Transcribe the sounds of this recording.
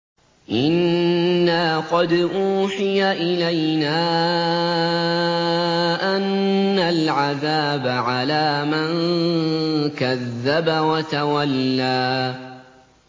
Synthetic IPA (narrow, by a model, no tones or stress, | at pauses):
ʔɪnː | aːqɑd̪ʔuːħɪjaʔɪlajnaː | ʔanːalʕaðaːbaʕalaːman | kaðːabawat̪awalːaː